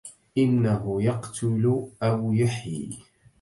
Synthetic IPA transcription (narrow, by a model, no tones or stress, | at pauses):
ʔɪnːaɦʊjɑqt̪ʰʊlʔawjaħjḭ